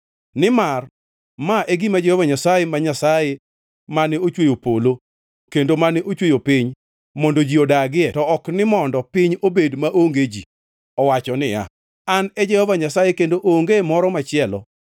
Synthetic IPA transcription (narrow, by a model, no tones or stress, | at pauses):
nɪmar | maʔeɡimad͡ʒɛhɔvaɲasajemaɲasaje | manɪot͡ʃwejopolo | kendomanɪʔot͡ʃwejopiɲ | mɔndod͡ʒiodaɡɪɛtɔɔknɪmɔndɔpɪɲobedmaʔoŋɡed͡ʒḭ | ɔwat͡ʃɔnɪja̰ | anɛd͡ʒɛhɔvaɲasajekendoʔoŋɡemɔɾɔmat͡ʃɪɛlɔ̰